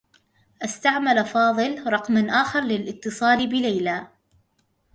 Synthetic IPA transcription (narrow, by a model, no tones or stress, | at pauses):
ʔast̪aʕmalfɑːðˤɨlɾˤɑqmanʔaːxɑɾˤlɪlʔɪt̪ːɨsˤɑːlɪbɪlajlaː